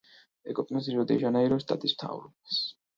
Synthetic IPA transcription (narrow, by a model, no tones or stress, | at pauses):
ɛkʼɔpʼnɔziɾɔd̪ɛʒanaiɾɔst̪ʼa̰t̪ʼismt̪ʰa̰vɾɔbas